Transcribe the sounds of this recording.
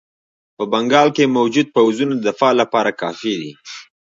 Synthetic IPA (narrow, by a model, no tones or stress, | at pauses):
pəbaŋɡɑlkemawd͡ʒud̪̚pawzunad̪əfɑlapɑɾakɑfid̪ḭ